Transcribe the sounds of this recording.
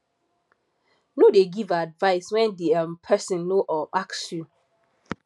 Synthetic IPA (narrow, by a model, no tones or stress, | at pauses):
nodeɡivadvaɪswɛ̃ndiampʰɛsɔ̃nːoʔɔvaksju